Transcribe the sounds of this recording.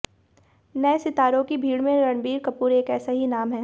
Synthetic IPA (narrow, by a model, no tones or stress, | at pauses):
nɐɛsɪt̪aːɾõkibʱiːɽmẽɾɐɳbiːɾkɐpuːɾeːkɛːsaɦinaːmɦɛː